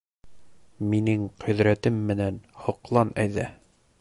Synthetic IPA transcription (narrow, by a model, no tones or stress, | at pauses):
minɘŋqʰɵ̆ðɾæt̪ɘmːɘ̆nænhŏqlˠɑnæjðæ